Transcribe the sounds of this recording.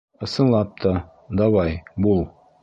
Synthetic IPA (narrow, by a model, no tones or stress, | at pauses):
ɤ̆sɤ̆nlˠɑp̚t̪ʰɑ | d̪ɒwɑjbulˠ